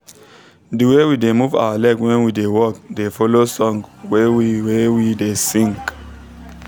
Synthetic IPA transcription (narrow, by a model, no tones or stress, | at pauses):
dəwewidemuva̰walɛkwɛ̃nwidewɔk̚defɔlosɔ̃ŋwɛiwɛwidesĩŋk